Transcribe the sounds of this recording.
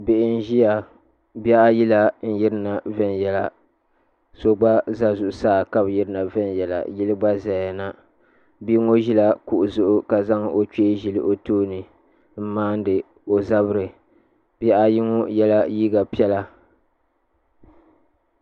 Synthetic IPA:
bɪ˨ʔɪ˦n˦ʒi˦ja˨ | bi˦a˦ʔa˦ji˦la˦n̩˦ji˦ɾɨ˦na˨vɛ˦njɛ˦la˨ | so˦ɡ͡ba˦za˦zʊ˨ʔʊ˦saː˦˨ka˦bji˦ɾɨ˦na˨vɛ˦njɛ˨la̰˨ji˦lɨ˦ɡ͡ba˦za˨a˨na˨ | bi˦ŋo˦ʒi˦la˦ku˨ʔʊ˨zʊ˦ʔʊ˦ka˨za˦ŋo˦t͡ʃe˦ʒi˨lɨ˦ʔo˦toː˦nɨ˨ | m̩˦maː˦n˦dɨ˨ | o˨za˦βɨ˦ɾɨ˨ | b̥a˦ʔa˦ji˦ŋo˦jɛ˦la˦jiː˦ɡa˨pi˦ɛ˦la˦

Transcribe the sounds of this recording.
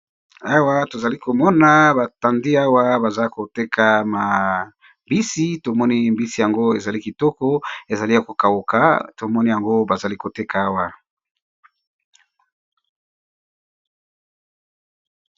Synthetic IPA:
a˦wa˦to˨za˨li˦ko˨mɔ˦na˦ba˨ta˨ndi˦a˦wa˦ba˨za˦ko˨te˦kʰa˨ma˨ | mbi˦si˦to˨mɔ˦ni˦mbi˦si˨ja˨ŋɡo˦e˨za˨li˦ki˨tɔ˦kɔ˦e˨za˨li˦ja˨ko˨ka˨wo˨ka̰˨˦to˨mɔ˦ni˦ja˨ŋɡo˦ba˨za˨li˦ko˨te˦ka˨a˦wa˨

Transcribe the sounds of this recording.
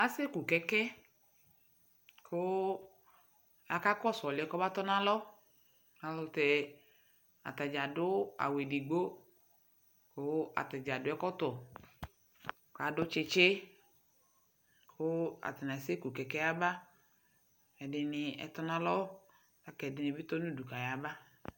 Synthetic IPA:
a˦se˦ku˨kɛ˦kɛ˦ | kʰʊ˦ | a˨ka˦kɔ˦˨sɔ˨lɪ˨ɛ˨kɔ˦ba˦t̪ɔ˦nã˦lɔ˦ | a˨lʊ˦t̪ɛ˨ | a̰˨t̪a˨d͡ʒa˨dʊ˦a̰˨we˨di˨ɡ͡bo˦ | kʊ˦a̰˨ta˨d͡ʒa˨dʊ˨˦ɛ˦kɔ˦tɔ˨ | ka˨dʊ˦t͡ʃɪ˦t͡ʃɪ˦ | kʰʊ˦a̰˨ta˨nã˨se˦ku˨kɛ˨kɛ˦a˦ba˦ | ɛ˨dɪ˨nɪ˨ɛ̰˨t̪ɔ˦nã˦lɔ˦ | a˨kɛ˨dɪ˨nɪ˨bɪ˦t̪ɔ˦nu˦du˨ka˨ja˨ba˦

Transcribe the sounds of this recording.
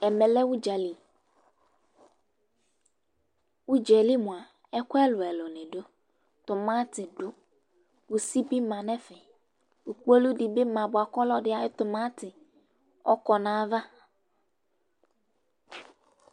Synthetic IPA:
ɛ˨mɛ̃˨lɛ˦wʊ˦d͡ʒa˨li˨ | wu˦d͡ʒɛ˨li˦mʊ̃˨a˨ | ɛ˦kʊ˦ɛ˦lʊ˨ɛ˨lɔ˨nɪ̃˨ɖʊ˦ | t̪ʊ˨mã˦t̪ɪ˨ɖʊ˨ | wu˨si˦bi˦mã˨nɛ̃˦fɛ˨ | wu˨k͡po˦lu˦di˨be˦mã˨bʊ˨a˨kɔ˦lɔ˦ɖɪ˦a˨˦ɪ˦t̪ʊ˨mã˦t̪ɪ˨ | ɔ˦kɔ˨nãː˦va˦

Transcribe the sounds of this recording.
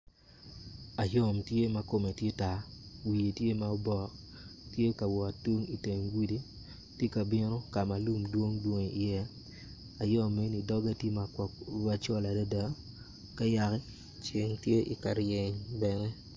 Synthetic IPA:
a˨jɔ˦mtje˦ma˦ko˨me˨tje˦ta˨wi˨e˨tje˦ma˦o˦bɔ˨k | tje˦ka˨wɔ˨tu˦ŋi˨te˨ŋɡi˦di˦ | tje˦ka˨bɪ˦no˦ka˨ma˨lu˦˨mdwo˦ŋdwo˦ŋe˨i˨jɛ˦ | a˨jɔ˦me˦ni˨dɔ˦ɡa˦tje˦ma˨wa˦t͡ʃɔ˦la˨da˦da˦ | ka˦ja˨kɛ˦ | t͡ʃɪ˨ŋtje˦ʔi˨ka˨ɾje˨ɲbɛ˨nɛ˦

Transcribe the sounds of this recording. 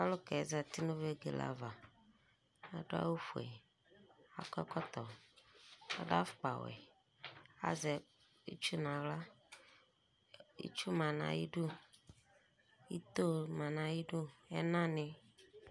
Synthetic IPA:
a˦lo˦kɛ˨˦za˨t̪i˦nũ˦ve˦ɡḛ˨la̰˨va˨ | a˨ɖo˦a̰˦wu˦fu˨ḛ˨ | a˨kɔ˦kɔ˦t̪ɔ˨ | a̰˨ɖa˦fk͡pa˨wɛ̰˨ | a̰˦zɛ˨ | ḭ˦t͡ʃu˦nã˨wla˦ | ḭ˦t͡ʃu˦mã˨nã̰˨ji˦ɖu˦ | ji˦t̪o˦mã˨nã˨ji˦ɖu˦ɛ˦nã˦nɪ̃˨

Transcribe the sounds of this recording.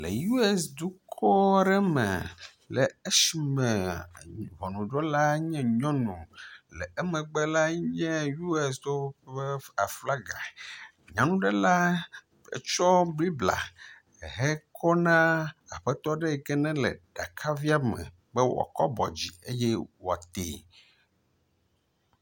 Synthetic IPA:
lɛ̰˨ju˦ɛ˦sd̪u˦kʰɔ˦ɾɛ˦mɛ̰˨ | lɛ˨e˦ʃi˨˦mɛ̃˨ | vɔ˨nũ˨ɖɔ˦la˦ɲɛ̃˦ɲɔ̃˦nṵ̃˨lɛ˨ɛ˦mɛ̃˨ɡ͡bɛ˦la˦ɲɛ̃˦ju˦ɛ˦s̬d̪o˦ɛ˦a˨fla˦ɡa̰˨ | ɲã˨nũ˦ɖɛ˦la˦ | ḛ˨t͡ʃɔ˦bli˦bla̰˨ | ɦɛ˦kʰɔ˦nã˦a˨ɸɛ˦t̪ɔ˦ɖɛ˦ɛ˨ɡɛ˦nɛ̃˦lɛ̰˨ɖ̥a˨kʰa˦vi˦a˦mɛ̰̃˨ | bɛ˦wɔ̰˨a̰˨kɔ˦bɔ̰˨d͡ʑi˨e˦jɛ˦wo˨a˨t̪ḛ˨

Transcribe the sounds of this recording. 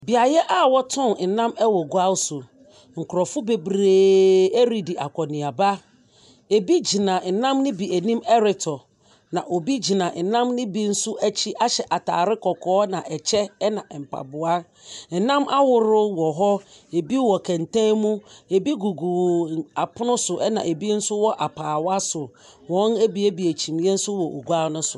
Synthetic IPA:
bi˨a˨jɛ˦ʔa˦wɔ˦tʰɔ̃˦nn̩˨nã˦mɛ˦wɔ˨ɡu˦a˦wsʊ˨ | ŋ̩˨kʰʊ˨ɾɔ˨fʊ˦be˦bɾeː˦e˦ɾi˦˨di˨ʔa˨kʰʷɔ˨nɪ̃˨a˨ba˦ | e˨bi˦d͡ʑi˨nã˨n̩˨nã˦mnɪ̃˦bi˨æ˨nĩ˦mɛ˦ɾɪ˨tʰɔ˨ | nã˨ʔo˨bi˦d͡ʑi˨nã˨n̩˨nã˦mnɪ̃˦bi˦n̩˦sʊ˦æ˦t͡ɕʰi˦ʔa˦ɕɛ˨ʔa˨tʰa̰ː˨ɾɪ˦kɔ˨kʰɔː˨˦nã˨ʔɛ˨t͡ɕʰɛ˦ɛ˦nã˨m̩˨pʰa̰˨bʊ˨a˦ | n̩˨nã˦ma˦wʊ˦ɾʊ˦wɔ˨ɦɔ˦e˨bi˦wɔ˨kʰã˨n˨tʰã˦mũ˦e˨bi˦ɡu˨ɡu˨a˨pʰʊ˦nʊ̃˦sʊ˨ʔɛ˦nã̰˨e˨bi˦n̩˦sʊ˦wɔ˦ʔa˨pʰaː˨wa˦sʊ˨ | wɔ̃˨˦æ˦bi˦e˦bi˨æ˨t͡ɕʰĩ˨mjɛ̃˦n̩˦sʊ˦wɔ˨o˨ɡu˦a˦nʊ̃˦sʊ˨

